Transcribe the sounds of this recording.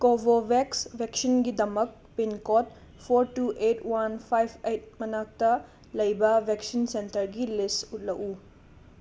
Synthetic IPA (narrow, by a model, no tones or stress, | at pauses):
kobʱobʱeksbʱeksinɡidɐmɐk̚pinkot̚ | pʰoɾtuʔetwanpʰajbʰejt̚mɐnak̚tɐ | lɐjbɐbʱeksinsentɐɾɡilistut̚lɐʔu